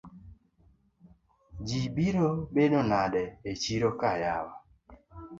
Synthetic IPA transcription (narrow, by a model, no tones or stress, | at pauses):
d͡ʒibiɾobenɔnaɗɛet͡ʃiɾokajawa